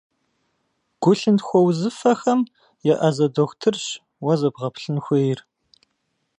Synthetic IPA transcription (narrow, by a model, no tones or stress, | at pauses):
ɡ̥ʷʊɬɨntxʷɔwzɨfɐxɐm | jɛʔɐzɐdoxʷtʰɨrɕ | wɐzɐbʁɐpɬɨnxʷejɪr